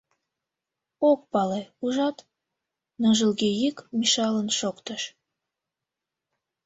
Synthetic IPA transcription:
ok̚pɑleuʒɑt̪ | nɤʒəlɣejikmiʃɑlənʃokt̪əʃ

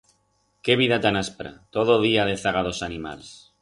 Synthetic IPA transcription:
keβ̞iðat̪anaspɾa̰t̪oð̞oðiaðeθaɣ̞aðosanima̰ls

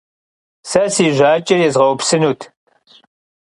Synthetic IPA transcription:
sɐsiːʒʷaːt͡ʃʼɐɛzʁɐwpsɨnuːtʰ

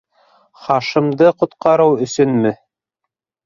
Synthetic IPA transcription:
χɑʃɤ̆md̪ɤqŏt̪qɑɾɤwɵ̆sɵnmɘ

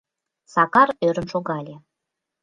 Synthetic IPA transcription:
sɑkɑɾøɾə̆nʃoɣɑlʲe

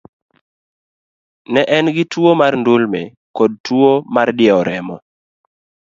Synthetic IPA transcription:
nɛʔɛnɡɪtwomarndulme | kod̚tuomardɪɛɔɾɛmɔ

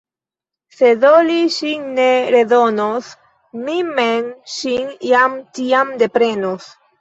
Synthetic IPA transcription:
seðoliʃinneɾeðonos | mimenʃinjamt̪iamd̪e̞pɾe̞nos

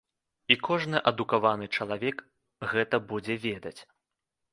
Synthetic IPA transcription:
ikʰɔʐnɨʔɐd̪ukavanɨt͡ʂɐlˠavʲɛk | ɣɛt̪ɐbud͡zʲɛvʲɛd̪ɐt͡sʲ

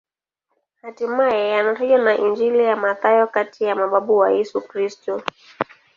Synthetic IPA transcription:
hatimajɛjanataʄwanaʔind͡ʒilijamaθajɔkatʰijamaɓaɓuwajɛsukɾistɔ

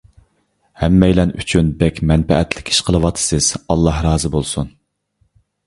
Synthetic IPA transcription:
hɛmːɛjlɛny̰t͡ʃʰynbɛkʲmɛnpɛ̰ʔɛt̪lɪ̥kʲʰi̥ʃqʰəlˠɨwɑt̪ʰːɨ̥sɨz̥ɑlˠːɑhɾɑːzɨbolˠsun

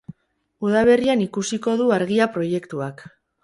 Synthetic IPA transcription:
uð̞aβ̞e̞rianikusiko̞ðuaɾɣiapɾo̞je̞kt̪uak

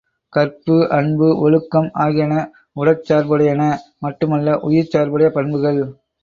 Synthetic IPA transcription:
kɐɾpɯʔɐɳbɯʔɔɻɯkːɐmaːɣɪjɐnɐ | ʊɽɐt͡ʃːaːɾbɐɽɐjɐnɐmɐʈːɯmɐlːɐʔʊjɪɾt͡ʃaːɾbɐɽɐjɐpɐɳbɯɣɐɭ

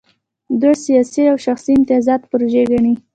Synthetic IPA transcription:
d̪asijɑsiawʃaxsiɪmt̪ɪɑzɑt̪pɾoʒeɡaɳi

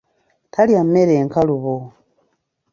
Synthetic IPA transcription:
tʰaljameɾeːŋkaluβo

